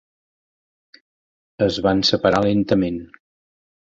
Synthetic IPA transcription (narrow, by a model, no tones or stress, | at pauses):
əzβansəpəɾalent̪əmen